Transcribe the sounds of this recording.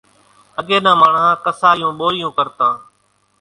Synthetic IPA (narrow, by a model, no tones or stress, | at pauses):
əɠeːnãːmaːɳãːkəsaːjũːɓoːɪjũːkəɾt̪ãː